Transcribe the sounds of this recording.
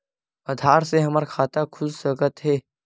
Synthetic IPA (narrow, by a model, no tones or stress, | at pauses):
ad̪ʱaːɾseɦɐməɾkʰaːt̪akʰʊssəkət̪ɦɛː